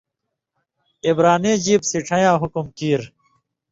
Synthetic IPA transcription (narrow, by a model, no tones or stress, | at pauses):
ibɾaːneːd͡ʑiːbsiʈ͡ʂʰɐjãːɦukumkiːɾ